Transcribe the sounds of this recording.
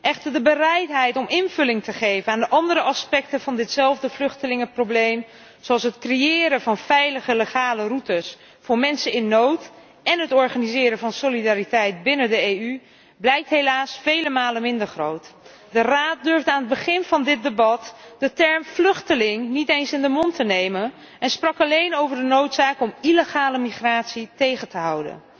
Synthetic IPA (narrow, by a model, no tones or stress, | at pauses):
ʔɛχtəɹdəbərɛjtɦɛjtɔmɪnvɵlɪŋtəχejvənaːndəʔɑndəɾəʔɑspɛk̚təv̥ɑndɪtsɛlˠvdəvlʏχtəlɪŋəproblejm | soɑlˠsɦətkrejɪːɾəvɑnfɛjləχəleχaːlərutəs | fʊːɹmɛnsənɪnːowt | ɛnɦətɔɹχaːnizɪːɾəvɑnsolidaːɾitɛjt̚bɪnədəejy | blɛjk̚tɦejlaːsfejləmaːləmɪndəɹχro̰wt | dəraːt̚dʏɹvdəaːnɦəd̚bəχɪnvɑndɪt̚debɑtd̥ətɛɹmflɵχtəlɪŋnitejnsɪndəmɔntənejmən | ɛnsprɑkɑlejnowvəɹdənowtsaːkɔmiləχaːləmiχraːtsitejχəntəɦʌwdə̰n